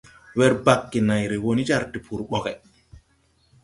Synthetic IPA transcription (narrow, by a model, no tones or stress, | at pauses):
wɛɾbakːinajɾɛwonid͡ʒaɾdipʰuɾɓɔkɛ